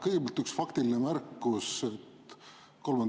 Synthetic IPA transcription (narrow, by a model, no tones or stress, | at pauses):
kɤjɡ̥ebɑlt̪yksfɑkt̪ilinemærkːˑuset̪ | ko̞lmɑn